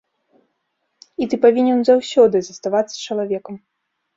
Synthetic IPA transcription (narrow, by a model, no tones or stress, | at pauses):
it̪ɨpavʲinʲɛnzawsʲɔd̪ɨzɐst̪avat̪sːɐ̥t͡ʃɐlˠavʲɛkɐm